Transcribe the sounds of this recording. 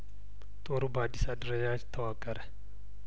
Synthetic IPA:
t̪ʼoɾubad̪isad̪ɾɐjat͡ʃt̪ʰːɐwakʼːɐɾɛ

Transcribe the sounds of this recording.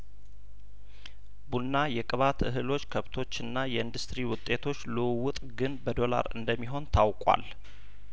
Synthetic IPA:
bunːajɛkʼɨβat̪ʰɨɦɨlo̞t͡ʃːkʰəβt̪ʰo̞t͡ʃːɨnːajɛɨnd̪ust̪ɾiwʊt̪ʼːe̞t̪ʰo̞t͡ʃːlɨwʊt̪ʼɡɨnbəd̪o̞la̰ɾɨ̰nd̪əmːiɦo̞nt̪ʰawkʼwa̰l

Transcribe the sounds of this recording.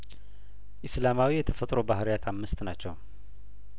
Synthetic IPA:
ʔɨslamawijɛt̪ʰəfət̪ʼɾobahɾjat̪ʰamːɨst̪nat͡ʃːɛw

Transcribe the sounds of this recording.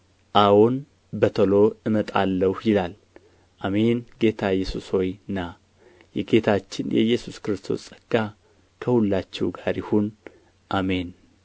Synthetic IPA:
ʔawon | bət̪ʰəlo̞ɨmət̪ʼalːəhjɪlal | ʔame̞nɡe̞t̪ʰajːɛsusho̞jɨnːa | jɛɡe̞t̪ʰat͡ʃːɪnjɛ̰jːɛsuskɨɾɨst̪ʰo̞̰sʼəɡ̥a | kʰəhulːat͡ʃːɛwɡaɾjɪhun | ʔame̞n

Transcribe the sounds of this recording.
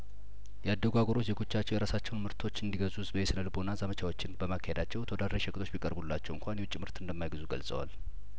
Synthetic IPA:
jɛad̪ːəɡʷaɡoɾo̞t͡ʃzeɡo̞t͡ʃːat͡ʃːɛwjɛɾasat͡ʃːɛwnmɨɾt̪ʰo̞t͡ʃːɨnd̪iɡəzuzbəjesɨnəlbonːazəmət͡ʃʰawot͡ʃːɪnbəmakʰːahed̪at͡ʃːɛwt̪ʰəwod̪ad̪ɾeʃəkʼt̪ʰʼo̞t͡ʃːbikʼəɾbulːat͡ʃːɛwɨŋkʷʰanjɛwt͡ʃʼimɨɾt̪ɨnd̪əmːajɡɨzuɡə̰lsʼə̰wa̰l

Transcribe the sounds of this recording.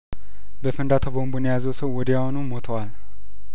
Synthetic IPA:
bəfɨnd̪at̪ʰəbombonjejazəwsəwːɔd̪jawonumo̞t̪ʰəwal

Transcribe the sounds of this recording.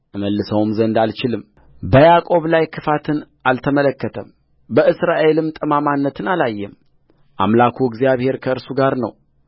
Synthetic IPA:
ʔɨməlːɨsəwmzənd̪alt͡ʃɪlɨm | bəjakʼo̞βlajkʰɨfat̪ʰɨnʔalt̪ʰəmələkːət̪ʰəm | bəɨsɾaʔe̞lɨmt̪ʼɨmamanːət̪ʰɨnalajːɛm | ʔa̰mlakʰuɪɡzijaβhe̞ɾkʰəɨɾsuɡaɾnə̰w

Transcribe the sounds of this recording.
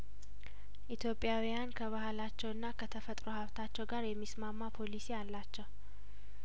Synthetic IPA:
ʔit̪ʰjo̞pʼːjawijankʰəβahlat͡ʃːɛwɨnːakʰət̪ʰəfət̪ʼɾohaβt̪ʰat͡ʃːɛwɡaɾjɛmːismamːapʰo̞lisialːat͡ʃːɛw

